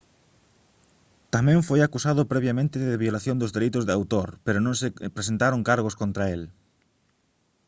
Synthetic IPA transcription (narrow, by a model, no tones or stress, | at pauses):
t̪amɛ̃ɱfojakusaðʊpɾeβjamẽnt̪ɪðɪβjolaθjõnd̪ʊzðeɾijt̪ʊzðawt̪oɾpeɾʊnõŋsɪpɾesent̪aɾoŋkaɾɣʊskont̪ɾael